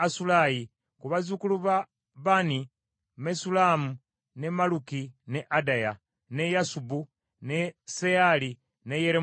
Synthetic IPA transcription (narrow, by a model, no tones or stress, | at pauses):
asulaji | kuβazukuluβa | βani | mesulamu | nemalukineʔadaja | ne̞jasubu | neseali | nejeɾe